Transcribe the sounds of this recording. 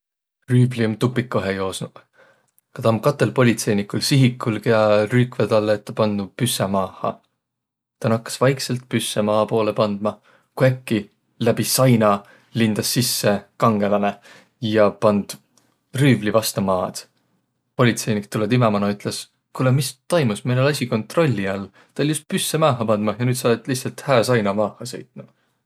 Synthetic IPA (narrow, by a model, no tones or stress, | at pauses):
ryːbliumt̪upːˑikːoɦejo̞ːsnu̥ | kɑt̪ɑmkɑt̪ːˑe̞lpo̞lʲit̪se̞jnikːˑulsiɦikːˑulɡkejɑryːkved̪ɑlːet̪ːɑpɑnd̪upysːemɑːhˑɑ̰ | t̪ɑnɑkːɑ̥svɑjkselt̪̚pysːemɑːpo̞ːle̞pɑnd̪̥̚mɑ | kuekːi | læb̥isɑjnɑ | lind̪̥ɑsːisːe̞kɑŋɡ̥e̞lɑne̞ | jɑpɑnd̪̥ | ryːvlivɑst̪ɑmɑːd̪̥ | po̞lʲit̪se̞jnikt̪uled̪imemɑnɑyt̪ˑles | kulemist̪ojmusmejnelɑsʲiko̞nt̪ˑro̞lʲːiɑlː | t̪ɑoljust̪̚pysːemɑːɦɑpɑnd̪̥mɑjɑnyːt̪sɑːt̪lihsɑlt̪hæːsɑjnɑmɑːhˑɑsḛjt̪ˑnu